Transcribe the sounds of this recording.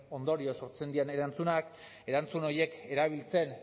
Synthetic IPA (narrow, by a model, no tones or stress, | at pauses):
o̞nd̪o̞ɾio̞so̞ɾt͡se̞nd̪iane̞ɾant͡sunak | e̞ɾant͡suno̞je̞ke̞ɾaβ̞ilt͡se̞n